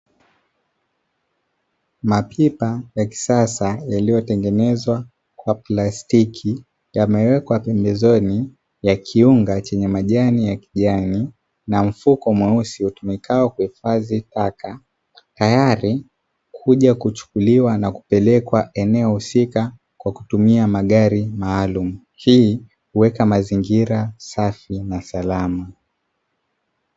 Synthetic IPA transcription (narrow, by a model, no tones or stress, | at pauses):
mapʰipajaki̥sasajalijɔtɛŋɡɛnɛzwa | kwaplastikʰi | jamɛwɛkwapɛmbɛzɔni | jakʰiuŋɡat͡ʃɛɲɛmaʄanijaki̥ʄani | nam̩fukɔmwɛusihutumikaɔkuhifazitaka | tajaɾi | kʰuʄakut͡ʃu̥kuliwanaku̥pɛlɛkwaʔɛnɛɔhusika | kwaku̥tumiamaɠaɾimaːlumu | hiː | huwɛkamaziŋɡiɾasafinasalama